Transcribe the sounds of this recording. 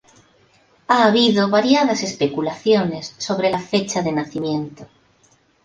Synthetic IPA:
aːβ̞iðoβaɾjað̞ase̞spe̞kulaθjonesːo̞β̞ɾelafet͡ʃaðenaθimjẽnt̪o

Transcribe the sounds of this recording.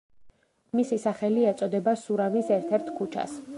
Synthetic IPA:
misisaχɛliɛt̪sʼɔd̪ɛbasuɾamisɛɾt̪ʰɛɾt̪ʰkʰut͡ʃʰa̰s

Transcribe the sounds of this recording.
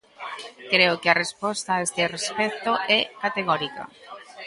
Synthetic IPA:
kɾeʊkearespɔst̪aest̪erespɛkt̪oʔɛkat̪eɣɔɾikɐ̰

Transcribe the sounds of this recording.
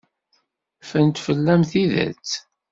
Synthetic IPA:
fənt̪fəlːæmθiðæ̰t͡s

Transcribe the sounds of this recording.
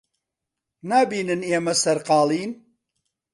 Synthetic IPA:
naːbiːnɨneːmɐsɐɾqɑːlˠiːn

